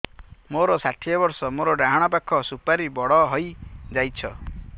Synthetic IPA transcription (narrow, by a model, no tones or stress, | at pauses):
moɾɔsaʈʰiɔbɔɾsɔmoɾɔɖaɦɔɽ̃ɔpakʰːɔsupaɾibɔɽɔɦɔjd͡ʒajt͡ʃʰɔ